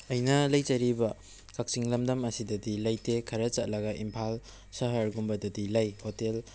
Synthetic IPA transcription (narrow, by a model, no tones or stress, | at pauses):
ɐjnɐlɐjt͡ʃɐɾibɐ | kak̚siŋlɐmdɐmɐsidɐdilɐjtekʰɐɾɐt͡ʃat̚lɐɡɐʔimpʰal | sɐɦɐɾɡumbɐdɐdilɐjhotel